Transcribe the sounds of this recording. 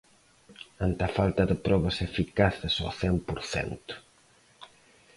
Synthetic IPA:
ant̪afalt̪ɐðɪpɾɔβɐsefikaθɪsɔ̰θɛmpoɾθɛ̰nt̪ʊ̥

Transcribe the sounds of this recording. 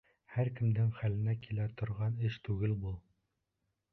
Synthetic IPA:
hæɾkɘ̆md̪ɘŋχælɘ̆nækilæt̪ŏɾʁɑnɘʃt̪ʉɡɘlbulˠ

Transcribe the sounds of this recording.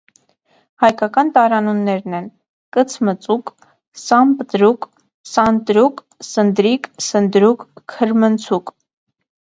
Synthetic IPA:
hɑjkɑkɑnt̪ɑɾɑnunːɛɾnɛn | kət͡sʰmət͡suk | sɑmpət̪ɾuk | sɑnt̪ɾuk | sənd̪ɾiksənd̪ɾukʰːəɾmənt͡sʰuk

